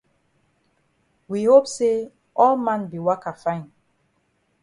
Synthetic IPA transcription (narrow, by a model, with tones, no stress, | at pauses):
wi˨ho˦pse˦ | ʔɔ˦lmã˨nbi˨wa˦ka˨fã˦ɪ̃n